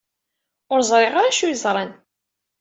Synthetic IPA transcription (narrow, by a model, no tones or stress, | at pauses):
ʊɾzˤɾˤeʁaɾaʃujzˤɾˤɑn